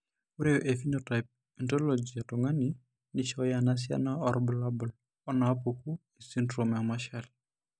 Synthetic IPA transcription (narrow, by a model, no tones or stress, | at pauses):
uɾeoʔefinotajp̚ | ɛntɔlod͡ʒiatɔŋani | niʃɔjanas̬ja̰naɔɾbʊlabɔl | ɔnaapoku | isindɾomamaʃal